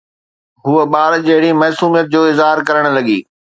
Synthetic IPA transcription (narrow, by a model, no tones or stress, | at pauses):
ɦuəɓaːɾd͡ʑɐɦɪɽimɐːsuːmijət̪̚d͡ʑoːɪzɦaːɾkɐɾəɽ̃lɐɠḭː